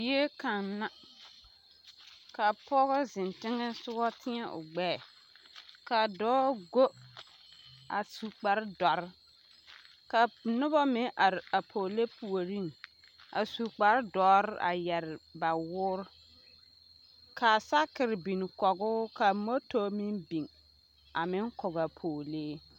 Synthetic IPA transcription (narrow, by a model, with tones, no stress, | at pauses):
je˦ka˨nːa˦ | ka˨pɔ˦ɣɛ˦zɪ˨ntɪ˦ŋɛ˦sʊ˦ɣɔ˦tʰɪ˦ɲɛ˦ʔʊ̰˨ɡ͡bɛː˦˨ | ka˨dɔː˦ɡo˦ | a˨su˨k͡pa˨ɾɪ˦dɔ˨ɾɪ˦ | ka˨nʊ˦bɔ˦mɪ˦ʔa˨ɾɪ˨a˨pʰoː˨le˦pʰu˨o˨ɾi˦ŋ | a̰˨su˨k͡pa˨ɾɪ˦dɔː˨˦ɾɪ˦ʔa̰˨jɛ˨ɾɪ˨ba˨wʊː˦ɾ | kʰa˨sa˦kɪ˨ɾɪ˨bi˨n˨kɔ˨ɡʊː˦ka˨mo˦toː˦mɪ˦nbi˨ŋ | a˨mɪ˦ŋkɔ˨ɡa˨pʰoː˨leː˦